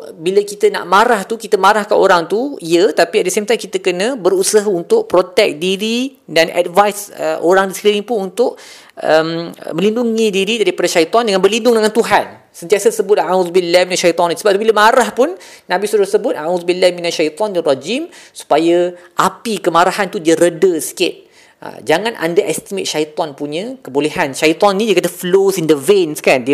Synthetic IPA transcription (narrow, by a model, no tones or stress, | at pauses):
biləkit̪əna̰ʔmaɾaht̪ukit̪əmaɾahkanoɾaŋt̪uiət̪apiat̚dəsemt̪ajmkit̪əkənə̃bəɾusaɦaunt̪ʊʔ̚pɾot̪ɛk̚diɾi | danʔa̰dvajsə̰ʔoɾaŋdisəɾiɾɪŋpʊnunt̪ʊʔ | ʔə̰m̰mə̃linduŋĩdiɾidaɾipadaʃait̪ˤɔndəŋanbərlindʊŋdəŋant̪uɦan | sənt̪iasəsəbʊt̪̚aʕuðbilːahminaʃajit̪ˤɔnisəbap̪̚biləmaɾahpʊnnãbisudasəbʊt̪ʔaʕuðbilːahminaʃajt̪ɔndirˤad͡ʒimsu̥pajaʔapikəmaɾaɦant̪udiəɾədəsi̥kɪt̪̚ | ə̰d͡ʒaŋãnʔa̰ndaʔɛst̪imɪt̪̚ʃait̪ɔnpuɲə̃kəboleɦanʃait̪ɔnnĩdiəkat̪əflosindəvenskandi